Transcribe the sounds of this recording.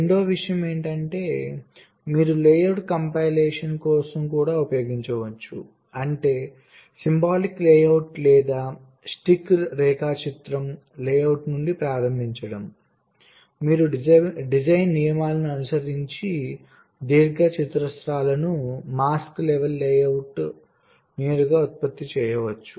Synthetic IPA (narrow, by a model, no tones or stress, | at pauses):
eɳɖo̞ːʋiʂɐjɐme̞ːɳʈɐɳʈe̞ː | miːɾuleːjɐwʈkɐmpajlɛːʂɐnkɔːsɐmkuːɽaːupɐjoːɡiɲt͡ʃɐʋɐt͡ʃːṵ | ɐɳʈe̞ː | simbaːlikleːjɐwʈlɛːd̪aː | sʈikːɾɛːkaːt͡ʃit̪ɾɐm | lɛːjɐwʈnuɳɖipɾaːɾɐmbʱiɲt͡ʃɐɽɐm | miːɾuɖid͡ʒɐjnːijɐmaːlɐnuɐnusɐɾiɲt͡ʃi | d̪iːɾɡɐt͡ʃit̪ɾɐsɾaːlɐnumaːsklɛʋɐlːɛːjɐwʈ | nɛːɾuɡaːut̪̚pɐt̪ːit͡ʃɛːjɐʋɐt͡ʃːu